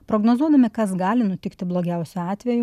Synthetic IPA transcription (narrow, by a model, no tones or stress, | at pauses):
pɾoːɡnoːzuɔd̪ɐmʲɪkɐsɡɑːlʲɪnʊt̪ʲɪkt̪ʲɪblˠoːɡʲɛˑʊsʲuɑːt̪ʲʋʲɛju